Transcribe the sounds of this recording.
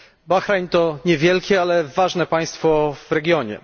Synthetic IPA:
baxɾajmt̪ɔɲɛvʲjɛlkʲɛalɛvaʐnɛpaj̃st̪fɔvɾɛɡʲjɔɲɛ̰

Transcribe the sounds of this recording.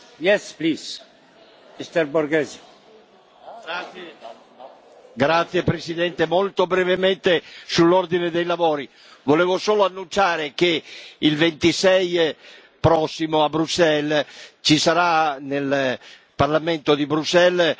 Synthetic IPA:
jɛsplis | ist̪eɾbuɾɡɛz | ɡɾat̪sːjepɾesid̪ɛnt̪emolt̪obɾɛvemɛnt̪esulːord̪ined̪ejlavoːɾi | voleːvosoːloanːunt͡ʃaːɾekeilvent̪isɛj | pɾɔsːimoabɾuksɛlt͡ʃisaɾanel | parlament̪od̪ibɾusɛl

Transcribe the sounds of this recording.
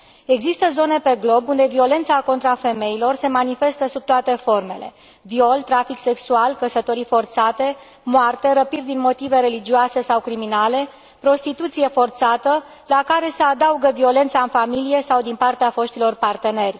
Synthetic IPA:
e̞ɡzist̪əzo̞ne̞pe̞ɡlo̞bund̪e̞vio̞le̞nt̪sako̞nt̪ɾafe̞me̞ilo̞rse̞manife̞st̪əsub̚t̪oat̪e̞fo̞rme̞̰le̞̰ | vio̞lt̪ɾafikse̞ksualkəsət̪o̞ɾifo̞rt̪sat̪e̞ | moart̪e̞ɾəpid̪̚d̪inmo̞t̪ive̞ɾe̞lid͡ʒioase̞sawkɾiminale̞ | pɾo̞st̪it̪ut̪sije̞fo̞rt̪sat̪ə | lakaɾe̞sead̪auɡəvio̞le̞nt̪saɨnfamilije̞sawd̪inpart̪eafo̞ʃt̪ilo̞rpart̪e̞ne̞rʲ

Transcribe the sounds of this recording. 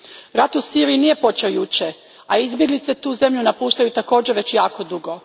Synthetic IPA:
ɾat̪usiɾijinije̞po̞t͡ɕeojut͡ʃe | aizbje̞ɡlit̪se̞t̪uːze̞mʎunapuːʃt̪ajut̪ako̞ːd͡ʑeʋe̞t͡ɕjaːko̞d̪uɡo̞

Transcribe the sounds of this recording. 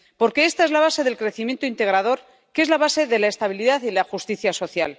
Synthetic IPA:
po̞ɾke̞e̞st̪ae̞zlaβ̞ase̞ðe̞lkɾe̞θimje̞nt̪oint̪e̞ɣ̞ɾaðo̞ɾ | ke̞zlaβ̞ase̞ðe̞lae̞st̪aβ̞iliðaθilaxust̪iθjaso̞θja̰l

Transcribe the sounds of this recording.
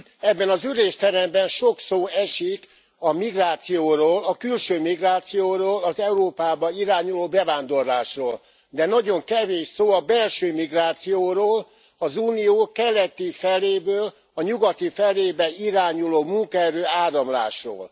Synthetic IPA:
ɛbːɛnɒzyɾeːʃt̪ɛɾɛmbɛnʃo̞ksoːɛʃik | ɒmiɡraːt̪sijoːroːlɒkylʃøːmiɡraːt̪sijoːɾoːlɒzɛuɾoːpaːbɒiɾaːɲuloːbɛvaːnd̪o̞rlaːʃroːl | d̪ɛnɒɟo̞ŋkɛveːʃsoːɒbɛlʃøːmiɡraːt̪sijoːɾoːl | ɒzuːnijoːkɛlɛt̪ifɛleːbøːl | ɒɲuɡɒt̪ifɛleːbɛiɾaːɲuloːmuŋkɒɛɾøːaːɾɒmla̰ːʃro̰ːl

